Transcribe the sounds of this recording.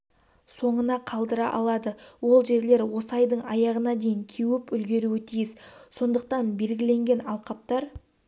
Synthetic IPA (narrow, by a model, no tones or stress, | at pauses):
so̞ɴənɑqʰɑlˠd̪əɾɑ̰ʔɑ̰lˠɑd̪əwo̞lˠʒe̞ɾle̞ɾwo̞səɑjd̪əɴɑjɑʁənɑd̪e̞jɪŋkʲʰewɪpʏlɡʲe̞ɾuwɪt̪ʰijɪsso̞nd̪əq̚t̪ɑnbe̞lɡʲɪle̞ŋɡʲe̞nɑlˠqɑp̚t̪ɑɾ